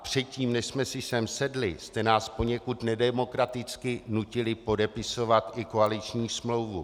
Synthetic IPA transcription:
pr̝̥ɛt̪̚ciːmnɛʃsmɛsɪsɛmsɛdlɪst̪ɛnaːspo̞ɲɛkut̪nɛdɛmo̞kɾat̪ɪt͡skɪnucɪlɪpo̞dɛpɪso̞vat̪ʔɪko̞alɪt͡ʃɲiːsmlo̞wvu

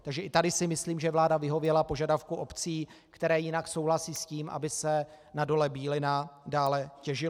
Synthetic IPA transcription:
t̪aɡʒɛʔɪt̪adɪsɪmɪsliːmʒɛvlaːdavɪɦo̞vjɛlapo̞ʒadafkuʔo̞pt͡siː | kt̪ɛɾɛːjɪnakso̞wɦlasiːsciːmʔa̰bɪsɛ | nado̞lɛbiːlɪnadaːlɛcɛʒɪ

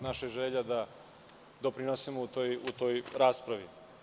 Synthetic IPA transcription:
naʃeʒeʎad̪a | d̪o̞pɾinosimout̪ojut̪o̞jɾaːspɾaʋi

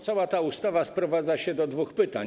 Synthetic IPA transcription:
t̪sawat̪aust̪avaspɾɔvad̪zaɕɛd̪ɔd̪vuxpɘt̪a

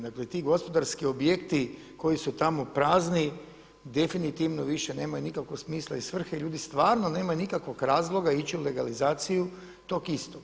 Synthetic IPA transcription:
d̪aklet̪iːɡo̞spo̞d̪aɾskio̞bje̞kt̪i | ko̞jisut̪amopɾaːzni | d̪e̞finit̪iʋnoʋiʃe̞neːmajunikakʋo̞ksmiːslˠaisʋr̩xeiʎuːd̪ist̪ʋaːɾno̞ne̞ːmajunikakʋo̞kɾaːzlˠo̞ɡait͡ɕiule̞ɡalizaːt̪siju | t̪o̞kist̪o

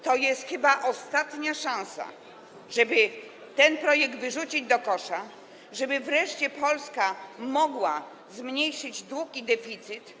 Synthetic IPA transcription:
t̪ɔjɛst̪xɘbaʔɔst̪at̪ɲaʂãñsa̰ | ʐɛbɘ | t̪ɛnpɾɔjɛk̚d̪vɘʐut͡ɕid͡ʑd̪ɔkɔʂa | ʐɛbɘvɾɛʂt͡ɕɛpɔlskamɔɡwa | zmɲejʂɘd͡ʑd̪wukid̪ɛfʲit̪sɘt̪

